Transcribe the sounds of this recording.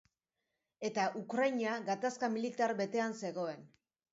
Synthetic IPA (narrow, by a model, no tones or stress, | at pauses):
e̞t̪aʔukɾajɲiaɣat̪askamilit̪aɾbe̞t̪e̞anse̞ɣo̞e̞n